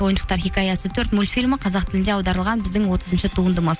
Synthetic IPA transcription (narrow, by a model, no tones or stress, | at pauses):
o̞jənʃə̥qt̪ɑɾχʲikʲɑjɑsət̪ʰɵɾt̪mulʲfʲilʲməqʰɑzɑq̚t̪ʰɪlɪnd̪e̞ɑwd̪ɑɾəlˠʁɑnbɪzd̪ɪŋwo̞t̪əzənʃɪt̪ʰuənd̪əməz